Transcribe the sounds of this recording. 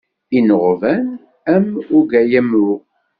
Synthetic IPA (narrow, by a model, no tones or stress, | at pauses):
inəʁvæn | æmʊɾɡæjæmʊʁ